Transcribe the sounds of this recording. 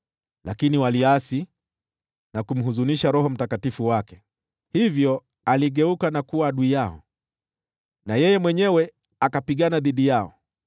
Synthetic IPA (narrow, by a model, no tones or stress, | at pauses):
lʔakiniwaliasi | nakum̩ɦuzuniʃaɾɔɦɔm̩takatifuwakɛ̥ | hivjɔ | aliɠɛukanakuwaaɗuijaɔ̰ | najɛjɛmwɛɲɛwɛ | akapiɠanaðiɗijaɔ̰